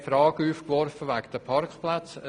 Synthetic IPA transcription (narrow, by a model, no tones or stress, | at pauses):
fɾɑːɡəyːfkʋɔɾfəʋakd̥̪əpʰɑɾkχplat͡sə